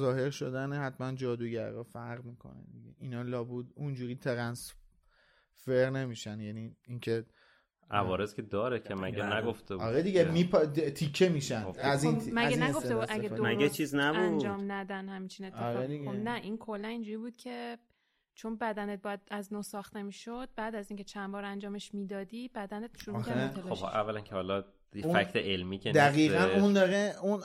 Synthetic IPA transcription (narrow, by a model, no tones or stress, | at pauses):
zɒːhe̞ɾʃod̪ænehæt̪mænd͡ʒɒːd̪uːɟæɾːɒːfæɾʁmiːkʰo̰nḛd̪iɡḛʔinɒːlɒːbud̪und͡ʒuːɾiːt̪ʰeɾæns | feɾne̞miːʃænjæniːincʰe̞ | ʔævɒːɾezkʲed̪ɒːɾekʰemæ̰ɡenæɡoft̪ebɒɾed̪iɡemipʰt̪ʰikʰːemiːʃænoæzinmæɡænæɡoft̪ebud̪ʔæɡed̪omæɡɾet͡ʃʰiːznæbud͡ʒɒːmnæd̪ænhæmit͡ʃʰine̞t̪ʰːefɾɒːionnːæʔinkʰolːænind͡ʒuːɾiːbuːd̪̥̚cʰe | t͡ʃʰonbæd̪ænet̪̚bɒːjæd̪̚æznoːsɒːxt̪emiːʃod̪̚bæːd̪æziːŋcʰe̞t͡ʃʰænbɒːɾænd͡ʒɒːme̞ʃmiːd̪ɒːd̪ibæd̪ænet̪̚ʃuɾumiææt̪ʰelobhɒ̰ʔævːælæncʰehɒːlɒ | jeffækʰt̪ʰeʔelmiːkʰend̪æɣiːɣænund̪ɒɾeun